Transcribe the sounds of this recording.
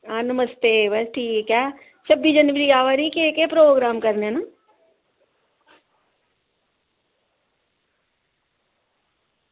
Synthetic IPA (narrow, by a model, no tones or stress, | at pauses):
aːnəməst̪ebɐsʈʰiːkɛkaː | t͡ʃʰɐbid͡ʒənʋɾiaːʋəɾikekepɾoːɡɾaːmkɐɾnena